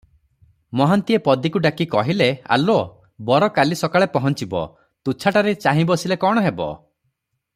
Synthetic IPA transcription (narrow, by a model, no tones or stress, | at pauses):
mɔɦant̪iepɔd̪ikuɖakikɔɦilea̰lo | bɔɾɔkalisɔkaɭepɔɦɔnt͡ʃibɔ̰ | t̪ut͡ʃʰaʈaɾet͡ʃaɦĩbɔsilekɔɽ̃ɔɦebɔ̰